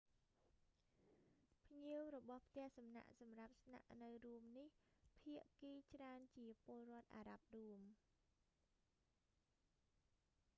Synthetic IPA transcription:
pʰɲiəwrɔɓɑhpʰt̪ɛ̆əhsɑmna̰ʔsɑmrap̚sna̰ʔnɨwruəmnihpʰiəʔkiːt͡ɕraənt͡ɕiəpoəlrŏət̪̚ʔaːɾap̚ruəm

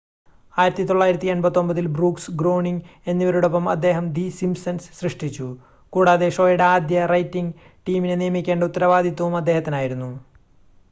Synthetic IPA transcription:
aːjiɾɐt̪ːit̪o̞ɭːaːjiɾɐt̪ːienbɐt̪ːo̞mbɐðilbruːksɡro̞ːɳiŋɡe̞nːiʋɐɾuɽopːɐmɐ̰d̪ːe̞ːɦɐmd̪isimsɐnsɕrɨʂʈit͡ɕːu | kuːɽaːðe̞ʂo̞ːjɐɽɐaːd̪jɐrɐjtːiŋɡ | ʈiːminenijɐmikʲːe̞ːɳɖut̪ːɐɾɐʋaːd̪ʱit̪ːɐʋumɐd̪ːe̞hɐt̪ːinaːjiɾunːu

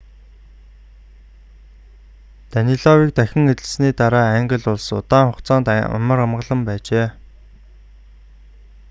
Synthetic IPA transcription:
t̪æniɮɔwiːk̚t̪æxʲɪ̆ŋet̪ɘ̆ɮsniːt̪aɾaːæŋɡə̆ɮʊɮsʊt̪aːŋχʊqt͡saːnt̪a̰mə̆ɾamɢə̆ɮə̆mpæːt͡ɕeː

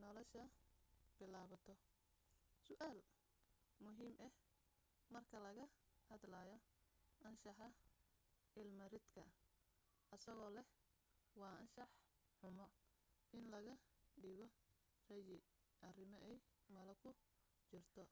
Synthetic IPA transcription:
nɔlɔʃɐb̥ɪlaːβɐt̪ʰɔ | sʊʔaːl | mʊɦiːmɛh | mɐrkʰɐlɐɣɐhɐd̪laːjɔ | ʔɐnʃɑħɑ | ʔɪlmɐrɪd̪kʰɐ | ʔɐsɐɣɔːlɛh | wɑːʔɐnʃɑħ | ħʊmɔ | ʔɪnlɐɣɐɖɪɣɔ | rɐjɪ | ʔɐrɪmɔʔɛjmɐlɐkʰʊ | t͡ʃɪrt̪ʰɔ

